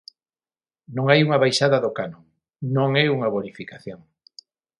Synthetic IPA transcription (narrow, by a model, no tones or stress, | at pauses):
nõŋajuŋɐβajʃaðɐðokanõŋ | nõŋɛuŋɐβonifikaθjoŋ